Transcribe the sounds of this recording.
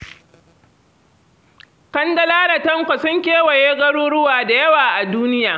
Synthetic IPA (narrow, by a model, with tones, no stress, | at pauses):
kɐ˦ndɐ˦laː˦ɽɐ˨tɐ˦ŋkʷɐ˨sɐ˦ŋkʲeː˦wɐ˨jeː˦ɡɐ˦ɽuː˦ɽʊ˦waː˨da˨jɐ˦waː˨ʔa˨duː˦nɪ˦jaː˨